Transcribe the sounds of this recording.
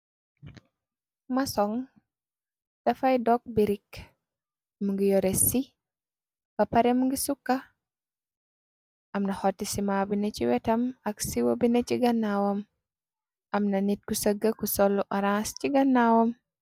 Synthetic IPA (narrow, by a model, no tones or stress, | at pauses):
masɔŋ | d̥ɐfajdɔk̚biɾik | muŋɡijɔɾesi | bɐpɐɾɛmuŋɡisukːa | ʔɐmnɐhotːisimabinet͡ʃiwɛtɐmɐksiwobinet͡ʃiɡɐnːawɔm | ɐmnɐnit̚kusəɡːəkusɔlːuʔaɾãsciɡɐnːawɔm